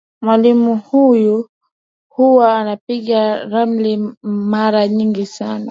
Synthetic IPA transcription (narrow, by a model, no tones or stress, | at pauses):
mwalimuhuju | huwaːnapiɠaɾam̩limaɾaɲiŋɡisana